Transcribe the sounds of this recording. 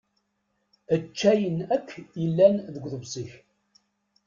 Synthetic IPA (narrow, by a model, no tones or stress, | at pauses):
ət͡ʃːæjənækːjəlːænðəɡʷðəvsˤiç